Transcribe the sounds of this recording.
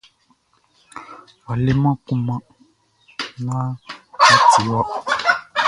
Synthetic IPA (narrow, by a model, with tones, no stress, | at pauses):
wa˨le˦mã˦ku˦mã˦ | nã˦a˦ti˨wɔ˦ʔ